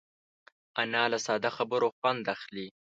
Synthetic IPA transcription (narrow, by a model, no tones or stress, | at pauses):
anɑlasɑːd̪axabəɾoxwand̪axli